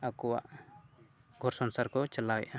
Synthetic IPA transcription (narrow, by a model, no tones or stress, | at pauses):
akɔwa̰ʔ | ɡʱɔɾsɔnsaɾkɔt͡ʃalawɛ̰ʔa